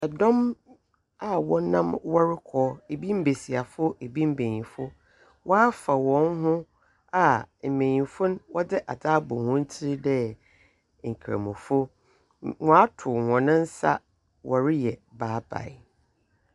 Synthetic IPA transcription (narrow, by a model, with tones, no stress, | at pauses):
ɛ˨dɔ̃˦m | a˦wɔ˦nã˦mwɔ˦ɾɪ˦kʰɔː˨˦e˨bi˦m̩˦be˨si˨a˨fʊ˦e˨bi˦m̩˦bẽ˨ɲĩ˨fʊ˦ | wɔ˦a˦fa˨wɔ̃˨nhʊ̃˦ | a˨m̩˨mẽ˨ɲĩ˨fʊ˦n˦wɔ˦dɪ˦ʔa̰˨d͡zaː˦bʊ˨hʊ̃˦n̩˦tʰɪ˦ɾɪ˦dɛ˦ | ŋ̩˨kʰɾa̰˨mʊ̃˨fʊ˦ | ŋɔ̃˨˦a˦tʰʊ˨ŋɔ̃˨nʊ̃˦n̩˦sa̰˦ | wʔɔ˨ɾɪ˦jɛ˨baː˨˦ba̰˨ɪ˨